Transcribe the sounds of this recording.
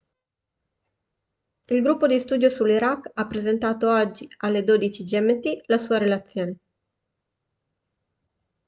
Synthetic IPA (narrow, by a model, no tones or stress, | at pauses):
ilɡɾupːod̪ist̪uːd̪josulːiɾakːapːɾezent̪aːt̪oad͡ʒːialːed̪oːd̪it͡ʃid͡ʒɛmet̪ilasuːaɾelat̪sːjoːne